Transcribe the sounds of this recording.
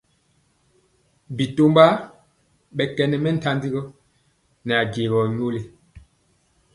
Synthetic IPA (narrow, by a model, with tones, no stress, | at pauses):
bi˨to˦mba˦ | ɓɛ˨kɛ˨nɛ˨mɛ˦n̩˨ta˦ndi˦ɣɔ˦ | nɛ˨a˨ɡe˨ɣɔ˨ɲo˦le˨